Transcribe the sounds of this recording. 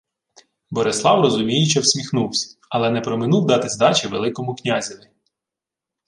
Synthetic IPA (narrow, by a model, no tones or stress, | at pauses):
bɔɾeslˠɑwrɔzʊmʲijɪt͡ʃɛwsʲmʲixnuwsʲɐ̥ɐlˠɛnɛpɾɔmɪnuwd̪ɑt̪ɪzd̪ɑt͡ʃʲɪʋelˠɪkɔmʊknʲazʲiʋʲɪ